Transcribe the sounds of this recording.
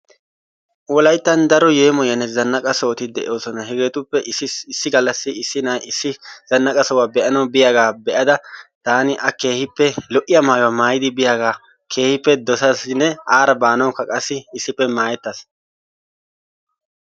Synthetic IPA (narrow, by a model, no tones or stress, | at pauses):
wɔlɐjt̪ːɐnd̪ɐɾɔjeːmɔjɐnɛzɐnːɐkʼɐsoːt̪ɪd̪ɛʔoːsɔnɐhɛɡe̞ːt̪ʊpːɛɪsːɪɡɐlːɐsːɪɪsːɪnaːɪzɐnːɐkʼɐsɔwaːbɛʔɐnɐwbɪjaːɡaːbɛʔɐd̪ɐt̪aːnɪʔɐke̞ːhɪpːɛlɔʔɪjɐmaːjwaːmaːjɪd̪ɪbɪjaːɡaː | kʰe̞ːhɪpːɛd̪ɔsɐsɪnːɛaːɾɐbaːnɐwkːɐkʼɐsːɪːsːɪpːɛmaːjɛt̪ːɐs